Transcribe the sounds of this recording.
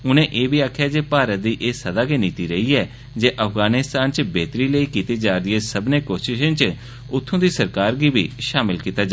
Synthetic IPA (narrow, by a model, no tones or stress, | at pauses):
ʊnẽːʔeːbiːaːkʰjaːd͡ʒeːpaːɾət̪̚d̪iːʔeːsəd̪aːkeːniːt̪iːɾəiːɛː | d͡ʒeːʔəpʰɡaːnɪst̪aːnt͡ʃbeːt̪ɾiːləiːkiːt̪iːd͡ʒaːɾɪeːsəbneːkoːʃɪʃə̃ːt͡ʃ | ʊt̪ʰːõːd̪iːsəɾkaːɾɡiːbiːʃaːmɪlkiːt̪aːd͡ʒa